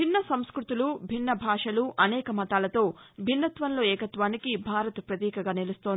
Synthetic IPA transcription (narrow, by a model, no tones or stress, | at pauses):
inːɐsɐmskɾut̪ulubʱinːɐbʱaːʂɐluʔɐnɛːkɐmɐt̪aːlɐt̪o̞ːbʱinːɐt̪ʋɐnlo̞ːɛːkɐt̪ʋaːnikibʱaːɾɐt̪pɾɐt̪iːkɐɡaːnelust̪oni